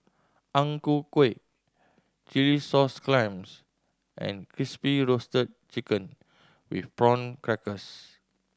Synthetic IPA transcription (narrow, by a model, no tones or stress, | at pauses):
ʔãŋkukwek̚ | t͡ʃilisɔsklãjms | ʔɛ̰̃nkʰɹispiɹostət̚t͡ʃikə̃n | wḭfbɹɔ̃nkɹɛkəs